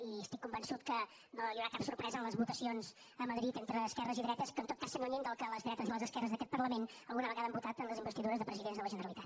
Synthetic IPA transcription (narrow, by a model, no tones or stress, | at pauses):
iəst̪ikːumbənsut̪̚kə | noiuwɾakapsuɾpɾɛzənləzβut̪əsionz | əməðɾit̪ent̪ɾəːskɛrəziðɾɛt̪əskəːnt̪ot̪̚kasːənoɲind̪əlˠkələzðɾɛt̪əzələzəskɛrəzðəkɛt̪pərləmenəlˠɣunəβəɣaðəmbut̪at̪ənləzimbəst̪iðuɾəzðəpɾəziðenzðələʒənəɾəlit̪at̪